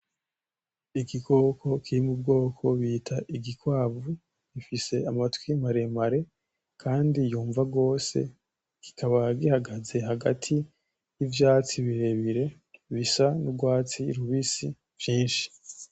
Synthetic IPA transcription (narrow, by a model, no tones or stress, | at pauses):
iɡiɡo̞kʰo̞kʰiɾimub̚ɡo̞ːkʰo̞βiːtʰaʔiɡikwaːβu | ɡ̥ifise̞amatwimaɾe̞maɾe̞ | kʰaːndijuːɱvaɡo̞ːse̞̰ | ki̥kʰaβaɡihaɡaze̞haɡa̰tʰi | jivjaːt͡siβiɾe̞βiɾe̞ | βisanubɡwaːt͡siɾuβisi | vjiːnʃi̥